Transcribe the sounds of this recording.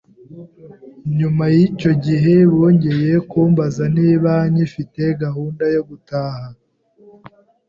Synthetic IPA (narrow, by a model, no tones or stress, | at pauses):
ɲumajico̞ɟiɦe̞βoːɲɟe̞je̞kuːmbazaniβaɲifite̞ɡahuːndajo̞ɡutaːha